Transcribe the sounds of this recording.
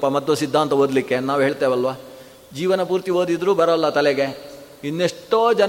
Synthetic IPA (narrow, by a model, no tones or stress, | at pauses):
pːɐmɐd̪ʋɐsid̪ʱːaːnt̪ɐɦod̪likːe̞naːʋɦeːɭt̪eːʋɐlʋaː | d͡ʒiːʋɐnɐpuːɾt̪iɦoːd̪id̪ɾuːbɐɾɐlːɐt̪ɐlɛɡe̞ | inːeʂʈoːd͡ʒɐn